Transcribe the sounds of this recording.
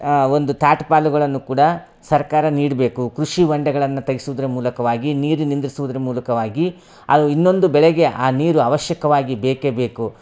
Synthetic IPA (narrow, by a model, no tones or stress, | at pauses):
o̞nd̪ut̪ʰaːʈpaːluɡɐɭɐnːukuːɽɐ | sɐɾkaːɾɐniːɽbe̞ːkukɾuʂiʋɐɳɖɐɡɐɭɐnːut̪ɐɡisuʋud̪ɐɾemuːlɐkɐʋaːɡiniːɾunind̪ɾisuʋud̪ɐɾemuːlɐkɐʋaːɡi | ɐ̰d̪uinːo̞nd̪ubɛɭɛɡe̞ʔaːniːɾuɐʋɐʃjɐkɐʋaːɡibeːkebeːku